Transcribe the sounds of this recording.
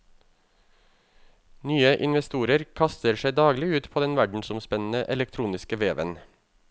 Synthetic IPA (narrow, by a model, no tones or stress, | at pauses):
nyːəʔɪnʋɛst̪uːɾəɾkʰɑst̪əɾʃæɪd̪ɑːɡlɪʉːt̪pʰoːd̪ɛnʋæɖɳ̩sʊmspɛnn̩əʔɛlɛk̚t̪ʰɾuːnɪskəʋeːʋə̰n